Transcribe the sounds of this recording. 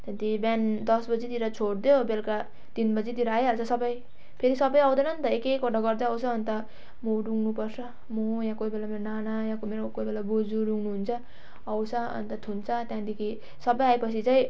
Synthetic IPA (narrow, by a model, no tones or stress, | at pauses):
t̪jãt̪iband̪ʌsbʌd͡zit̪iɾʌt͡sʰoɽd̪jobelka | t̪inbʌd͡zit̪iɾaajʌlt͡sʰʌsʌbʌj | pʰeɾisʌbʌjʌw̃d̪ʌnʌnt̪ʌekekoʈʌɡʌrd̪ʌʌwt͡sʰʌːnit̪ʌ | moɖuŋnupʌrt͡sʰʌ | mojãkoibelameɾonanajãkomeɾokojbelabod͡zuɾuŋnuɦunt͡sʰʌː | wt͡sʰʌʌ̰nit̪ʌt̪ʰunt͡sʰʌt̪jãd̪ekʰi | sʌbʌjaepʌt͡sʰit͡sãj̃